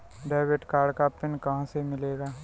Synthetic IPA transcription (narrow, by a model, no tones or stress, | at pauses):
ɖaːɪʋeʈkaːɾɽkapɪnkɐɦãsemɪleːɡaː